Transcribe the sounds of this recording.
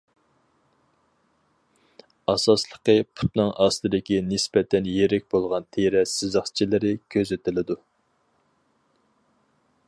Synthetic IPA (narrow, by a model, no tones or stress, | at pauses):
ɑsɑslˠəqəpʰu̥t̪nɨŋʔɑslˠɨd̪ɪkʲinɪspɛt̪ʰɛnjeɾɛkʲbolˠʁɑnt̪ʰeɾɛsɨzəχt͡ʃʰilɪɾɪkʲʰøzɪt̪ɪlɪd̪u